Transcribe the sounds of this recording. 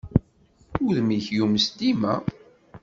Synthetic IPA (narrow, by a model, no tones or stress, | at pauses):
ʊðmiçjuməsd̪imæ̰